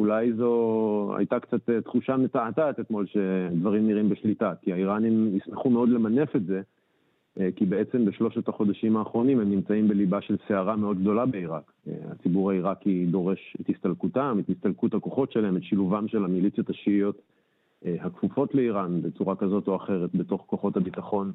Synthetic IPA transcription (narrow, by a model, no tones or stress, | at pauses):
ulajzo̞a̰jtakt͡sat̪et̪χuʃametaatat̪et̪mo̞lʃe̞d̪vaʁimniʁimbeʃlitakiaiʁanimjismeχumeo̞dle̞mane̞fe̞tze̞ | kibeet͡se̞mbeʃlo̞ʃetaχo̞d̪aʃimaːχʁo̞nimemnimt͡saimbe̞libaʃe̞lseaʁame̞o̞d̪̚ɡ̚d̪o̞labe̞iʁak | a̰t͡sibuʁaiʁakid̪o̞ʁe̞ʃe̞thist̪alkutamethist̪alkuthako̞χo̞tʃelaɦemetʃiluvamʃe̞lamilit͡sjo̞taʃiijo̞t | hakfufo̞tle̞iʁanbe̞t͡suʁakazo̞to̞aχe̞ʁetbe̞to̞χko̞χo̞thabit̪aχo̞n